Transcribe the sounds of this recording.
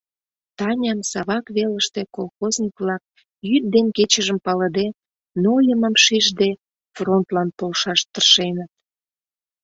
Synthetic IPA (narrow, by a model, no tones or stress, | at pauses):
t̪ɑnʲɑmsɑβɑkβeləʃt̪ekolˠxoznʲikβlɑk̚ | jyt̪̚d̪enket͡ɕəʒəmpɑləd̪e | nojəməmʃiʒd̪e | front̪lɑnpolʃɑʃt̪ərʃenət̪̚